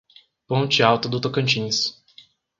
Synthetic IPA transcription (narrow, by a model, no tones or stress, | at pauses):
põt͡ʃɪawt̪ɐd̪ʊt̪okɐ̃nt͡ʃĩɲs